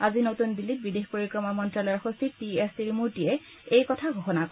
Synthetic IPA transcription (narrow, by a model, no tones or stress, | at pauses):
azinotunbilːit̚bidexpoɹikɹɔmamɔntɹalɔjɔxostʰit̚tiestiɹimuɹtijɛ | ejkɔtʰaɡʱoxɔnakɔ